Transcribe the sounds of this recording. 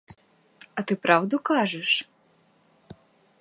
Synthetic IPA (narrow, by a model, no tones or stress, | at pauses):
ɐt̪ɨpɾawd̪ukaʐɛʂ